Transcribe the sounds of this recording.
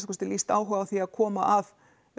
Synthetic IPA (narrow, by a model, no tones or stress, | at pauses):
skɔst̪ɪlist̪a̰ːwɦœɣawθiaðkʰɔːma̰ʔað